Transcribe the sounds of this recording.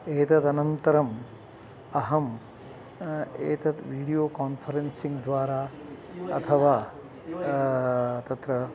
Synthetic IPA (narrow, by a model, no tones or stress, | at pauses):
eːt̪ɐt̪ɐnɐnt̪ɐɾɐm | ɐɦɐm | eːt̪ɐt̪ʋiːɽijoːkaːnpʰɐɾensiŋɡd̪ʋaːɾaː | ɐ̰t̪ʰɐʋaː | t̪ɐt̪ɾɐ